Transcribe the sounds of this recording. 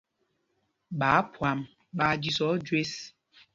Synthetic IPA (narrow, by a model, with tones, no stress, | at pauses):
ɓaː˨˦pwa˨m | ɓaː˨˦d͡ʒi˦sɔ˨˦d͡ʒwe˦s